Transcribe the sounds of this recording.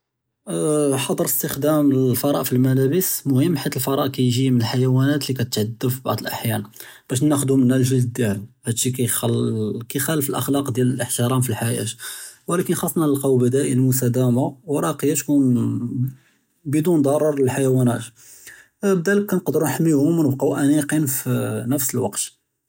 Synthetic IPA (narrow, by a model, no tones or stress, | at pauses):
ħɑd̪ˤəɾəst̪əxd̪æməlfɑɾˤɑʔfilmælæbəsmʊhəmːħit̪əlfɑɾˤɑʔkæjʒimənəlħajæwænæt̪likæt̪ət̪ʕəd̪ːəbfibɑ̰ʕd̪ˤəlʔaħjæn | b̥æʃ̬næxd̪umənːælʒəld̪əd̪ælhæd̪ʃikæj | kæxæləfəlʔə̰xlɑqd̪jæləlʔəħt̪əɾˤɑmfilħajæ̰t̪wlækənxɑsˤːnɑləlqɑwbəd̪æʔəlmʊs̬t̪æd̪æmawɾˤɑqəjæt̪kun | bəd̪und̪ˤɑɾˤɑɾˤəlħajwænæt̪ | b̚d̪æləkːænqd̪əɾunħmːihʊmwnəbqɑʔæniqinfnəfsəlwɑqt̪